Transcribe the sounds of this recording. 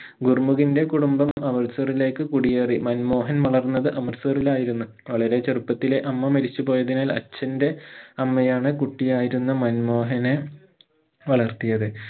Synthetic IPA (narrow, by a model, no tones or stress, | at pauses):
ɡurmuɣinde̞kuɽumbɐmɐʋɐrsɐrile̞ːkːɨkuɽijeːrimɐnmo̞ːɦɐnʋɐɭɐrnːɐðɨʔɐmɐrsɨːrilaːjiɾunːu | ʋɐɭɐɾe̞t͡ɕerupːɐt̪ːile̞ʔɐmːɐmɐɾit͡ɕːupo̞ːjɐðinaːlɐ̰t͡ɕːɐnde̞ɐmːɐjaːɳɨkuʈːijaːjiɾunːɐmɐnmo̞ːɦɐne | ʋɐɭɐrt̪ijɐðɨ